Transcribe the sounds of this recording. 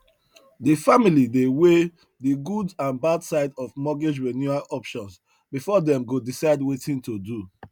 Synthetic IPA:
difamilidewe | diɡudãnbadsaɪdɔvmɔɡid͡ʒɹɛnjuaʔɔpʃɔ̃ns | bifɔdɛ̃mɡodisaɪdwetĩntodu

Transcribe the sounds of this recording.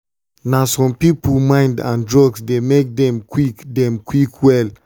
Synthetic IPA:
nasɔ̃mpiplmãɪ̃ndã̰ndɹɔɡsdemek̚dɛ̃mkwikdɛ̃mkwikwɛl

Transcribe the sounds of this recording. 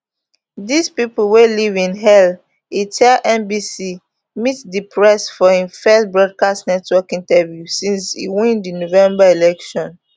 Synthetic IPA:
dispiplwelivĩnɦɛl | itʰɛʔɛ̃mbisi | mitdipʰɹɛsfɔhĩfɛstbɹɔd̚kastnɛtwɔkĩntɛvjusĩnshḭwĩndinovɛ̃mbaelɛkʃɔ̃n

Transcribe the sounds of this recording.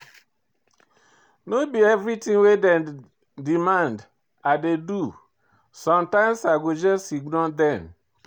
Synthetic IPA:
nobiɛvɾitĩŋwedɛ | dimãnd | adedu | sɔ̃mtãɪ̃msaɡod͡ʒɔsiɡnɔldɛ̃n

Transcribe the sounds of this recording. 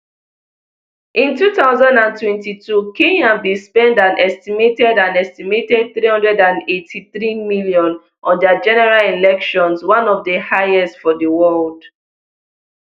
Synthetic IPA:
ʔĩntutaʊzãndãntwɛ̃ntitʰukĩŋãnbispɛ̃ndãnʔɛstimetɛdãnɛstimetɛd̚θɹihʌ̃ndɹɛdãnetʰiθɹimiljɔ̃n | ʔɔ̃ndad͡ʒɛnɛɹalilɛkʃɔ̃nswãnɔvdəhaɪjɛstfɔdəwɔld

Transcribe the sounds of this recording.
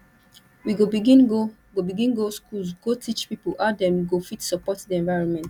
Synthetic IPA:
wiɡobiɡĩnɡo | ɡobiɡĩnɡoskʰulsɡotʰit͡ʃpipoʔadɛ̃nwiɡofitsɔpɔtdiɛ̃ɱvaɪɹɔ̃nmɛ̃nt

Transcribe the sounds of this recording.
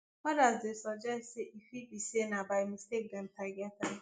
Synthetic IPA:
mɔdazdesɔd͡ʒaseʔifibisienabamĩstek̚damtʰaɡata

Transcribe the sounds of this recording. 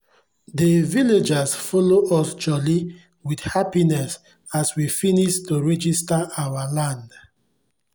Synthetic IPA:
deviled͡ʒasfɔloʔɔsd͡ʒɔli | widhapinɛs | aswifiniʃtuɹɛd͡ʒistaʔawalãnd

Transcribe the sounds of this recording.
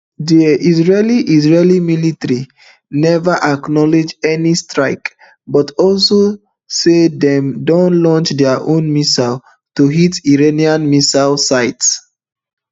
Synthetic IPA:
dəizɹeliʔizɹelimilitaɹi | nɛvaʔaknɔled͡ʒɛnistɹaɪk | bɔtɔlso | sedɛ̃mdõnlɔ̃nt͡ʃdɛaʔõnmisal | tuɦitiɹeniãnmisalsaɪts

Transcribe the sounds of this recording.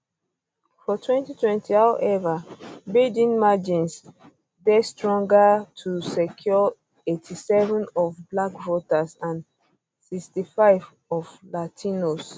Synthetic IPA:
fɔtʰwɛ̃ntitwɛ̃ntihawʔɛvabidĩnmad͡ʒĩns | dɛstɹɔ̃ŋɡatʰusɛkʰjɔ | etʰisɛvə̃nɔfblakvɔtasãn | sikstifaɪv | ɔvlatʰinos

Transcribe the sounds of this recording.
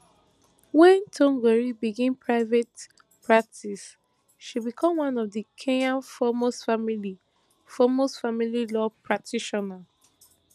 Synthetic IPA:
wɛ̃ntʰõŋɡɛɹibiɡẽmpʰɹaɪvet | pɹak̚tʰis | ʃibikʰɔ̃mwãnɔvdəkʰẽnãnfɔmosfamili | fɔmosfamililɔpʰɹak̚tʰiʃɔnal

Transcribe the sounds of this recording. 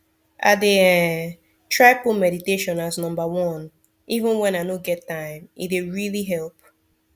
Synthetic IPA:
ʔa̰deɛ | tʰɹaɪpomɛɾiteʃɔ̃naznʌ̃mbəwɔ̃n | ivə̃nwɛ̃naɪnoɡɛtːãɪ̃mḭt̚deɹiliɦɛlˠp̚

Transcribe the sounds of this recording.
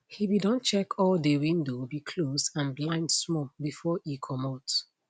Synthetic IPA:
hibidɔ̃nt͡ʃɛkʰɔldewĩndobikʰlosãnblãɪ̃ndsmɔbifɔikʰɔmat

